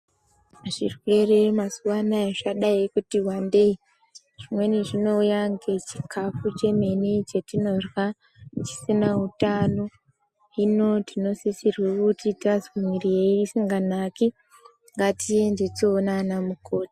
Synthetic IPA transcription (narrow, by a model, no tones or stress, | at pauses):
ʐirwe̞re̞masuwanaeʐaɗaikutiwande̞i | ʐ̥imwe̞neʐino̞ujaŋɡe̞t͡ʃi̥kʰafut͡ʃe̞menit͡ʃetino̞rwa | t͡ʃi̥sinautano̞ | ino̞tino̞sisirwekutitazmirijeːsiŋɡanaki | ŋɡatijendet͡soːnanamuko̞ːti̥